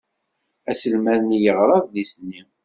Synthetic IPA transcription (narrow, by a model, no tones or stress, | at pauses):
æsəlmæɾnijəʁɾˤɑðlisnːim